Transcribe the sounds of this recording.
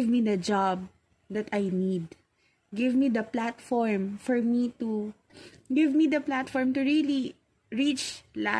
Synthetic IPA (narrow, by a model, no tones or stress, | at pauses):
vmid̪ɐd͡ʒab̚ | d̪ɐt̪ajnid̪ | ɡɪvmid̪ɐplat̪fɔɹmfɔɹmit̪u | ɡɪvmid̪ɐplat̪fɔɹmt̪uɹili | ɹit͡ʃla